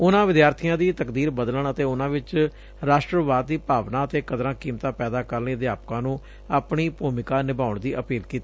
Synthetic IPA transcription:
ʊnãːʋɪd̪jaːɾt̪ʰijãːd̪iːt̪əkd̪iːɾbəd̪ləɳət̪eːʊnãːʋɪt͡ʃ | ɾaːʃʈɾəʋaːd̪ːiːpaːʋnãːət̪eːkəd̪ɾãːkiːmt̪ãːpɛːd̪aːkəɾniːd̪jaːpkãːnũː | aːpɳiːpuːmɪkaːnɪbaːʊɳd̪iːʔəpiːlkiːt̪ːiː

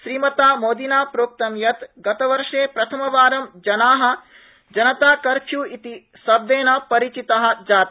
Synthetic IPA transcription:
ʃɾiːmɐt̪aːmoːd̪inaːpɾoːk̚t̪ɐmjɐt̪ɡɐt̪ɐʋɐɾʃʂeːpɾɐt̪ʰɐmɐʋaːɾɐmd͡ʒɐnaːɦɐ̆ | d͡ʒɐnɐt̪aːkɐɾkʰjuːit̪i | sɐbʋ̪eːnɐpɐɾit͡ʃit̪ɐɦɐ̆d͡ʒaːt̪

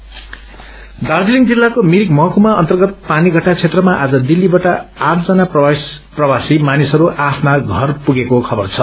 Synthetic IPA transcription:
d̪ard͡ziliŋɡd͡zilːakomiɾikmʌɦʌkumaʌnt̪ʌrɡʌt̪̚paniɡʱʌʈːat͡sʰet̪rʌmaʔad͡zʌd̪ilːibaʈaaʈʰd͡zʌnapprʌwasimanisʌɾuʔapʰnaɡʱʌrpuɡekokʰʌbʌrt͡sʰʌ

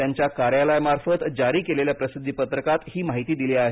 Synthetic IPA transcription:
jaɲt͡ɕjakaɾjalajmaɾfət̪d͡ʑaɾiːkeleljapɾəsid̪ʱːipət̪ɾəkat̪hiːmaɦit̪iːd̪iliaɦe

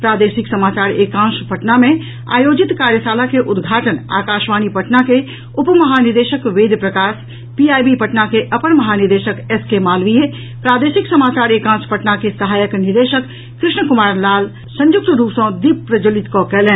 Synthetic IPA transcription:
pɾaːd̪eːʃɪksɐmaːt͡ʃaːɾeːkãːʃpəʈnamẽ | a̰ːjoːd͡ʒɪt̪kaːɾjəsaːlakeʔʊd̪ɡʱaːʈəna̰ːkaːʃʋaːnipɐʈnake | ʊpmɐɦaːnɪɾd̪eːʃəkʋeːd̪pɾɐkaːʃ | piaːjbipɐʈnakeʔɐpənmɐɦaːnɪɾd̪eːʃəkɛskemaːlʋije | pɾaːd̪eːʃɪksɐmaːt͡ʃaːɾeːkãːspəʈnakesɐɦaːjəknɪɾd̪eːʃəkː | ɾɪʃɳəkʊmaːɾlaːl | sɐ̃ɲjʊk̚t̪ɾuːpsõd̪iːp̚pɾəd͡ʒəlɪt̪kokɛlɛ̃ː

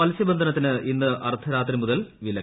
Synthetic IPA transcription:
ɐlsjɐbɐnd̪ʱɐnɐt̪ːinɨʔinːɨʔɐrt̪ʰɐɾaːt̪rimuðɐlʋilɐ

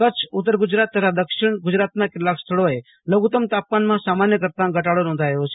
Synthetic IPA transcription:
kət͡ʃʰʊt̪ːəɾɡʊd͡ʒɾaːt̪ːət̪ʰad̪əkʃɪɽ̃ɡʊd͡ʒɾaːt̪nakɪlaːkst̪ʰəɭoe | ləɡut̪əmt̪aːp̚kaːnmãsaːmaːnjəkəɾt̪ãɡəʈaːɽonɔ̃nd̪ʱaːeot͡ʃʰe

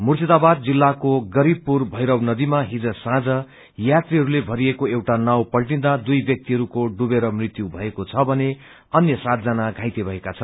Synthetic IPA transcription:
murt̪id̪abad̪̚d͡zilːakoɡʌɾibpurbʱʌjɾʌwnʌd̪imaɦid͡zʌsãd͡zʌ | jat̪riɦʌɾulebʱʌɾiekoewʈanawpʌlʈĩnd̪ad̪ujbjʌk̚t̪iɦʌɾukoɖubeɾʌmrit̪jubʱʌekot͡sʰʌbʱʌne | ʌnjʌsat̪̚d͡zanaɡʱãjt̪ebʱʌekat͡sʰʌnn

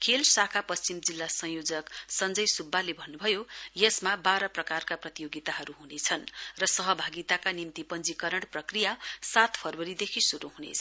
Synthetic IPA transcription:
kʰelsakʰapʌst͡simd͡zilːasʌ̃ŋ̃jod͡zʌksʌnd͡zʌjsubːalebʱʌnːubʱʌjojesmabaɾʌprʌkarkaprʌt̪ijoɡit̪aɦʌɾuɦunet͡sʰʌnrʌsʌɦʌbʱaɡit̪akanimt̪ipʌnd͡zikʌɾʌɽ̃prʌkrijasat̪pʰʌrwʌɾid̪ekʰisuɾuɦunḛt͡sʰʌ

